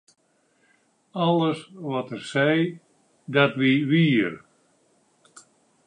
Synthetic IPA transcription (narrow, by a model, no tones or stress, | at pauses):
ɔlˠəsʋɔtərsɛj | datʋiʋiːər